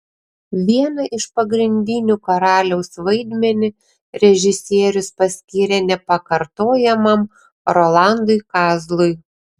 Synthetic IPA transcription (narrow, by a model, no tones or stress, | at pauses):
ʋʲiɛnɐʔɪʃpɐɡɾʲɪnʲd̪ʲɪnʲukɐɾɑːlʲɛʊsʋɐɪd̪ʲmʲɛnʲɪ | ɾʲɛʒʲɪsʲiɛɾʲʊspɐsʲkʲiːɾʲɛnʲɛpɐkɐɾt̪oːjɛmɐm | ɾolˠɑˑnd̪ʊɪkɑːzlˠʊɪ